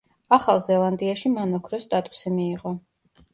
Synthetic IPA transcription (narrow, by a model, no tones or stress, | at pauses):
aχalˠzɛlˠand̪iaʃimanɔkʰɾɔst̪ʼat̪ʼu̥simiːʁɔ